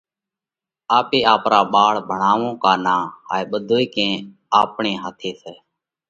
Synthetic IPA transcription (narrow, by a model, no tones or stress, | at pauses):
aːpeːaːpɾaːɓaːɭbʱəɳaːʋõːkaːnaːhaːeːɓəd̪ʱoːiːkẽː | aːpɳẽːɦaːt̪ʰeːsɛː